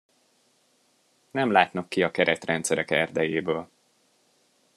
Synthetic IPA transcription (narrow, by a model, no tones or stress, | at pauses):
nɛmlaːt̪nɒkːiɒkɛɾɛt̪rɛnt̪sɛɾɛkɛrd̪ɛjeːbøːl